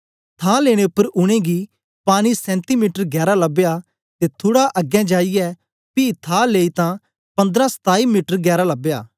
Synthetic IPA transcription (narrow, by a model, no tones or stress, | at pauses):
t̪ʰãːleːɽ̃eʊpːəɾʊɽ̃ẽɡi | paːñisɛ̃ːnt̪imiːʈəɾɡɛːɾalɐbja | t̪et̪ʰoːɽaʔɐɡjɛ̃d͡ʒaːijɛ | piːt̪ʰãːleːit̪ã | pɐ̃nd̪ɾãsə̥t̪aːimiːʈəɾɡɛːɾalɐbjaː